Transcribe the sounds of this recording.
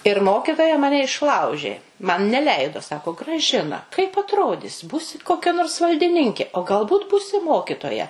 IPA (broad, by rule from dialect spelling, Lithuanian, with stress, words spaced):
ɪr ˈmoːkʲɪtoːjɛ ˈmɑːnʲɛ ɪʃˈlˠɐʊʒʲeː mɐn nʲɛˈlʲɛɪdoː ˈsɑːkoː ɡrɐˈʒʲɪnɐ kɐɪp ɐtˈroːdʲɪs ˈbuːsʲɪ koːˈkʲɛ noːrs ʋɐlʲdʲɪˈnʲɪŋʲkʲeː oː ɡɐlˠˈbuːt ˈbuːsʲɪ ˈmoːkʲɪtoːjɛ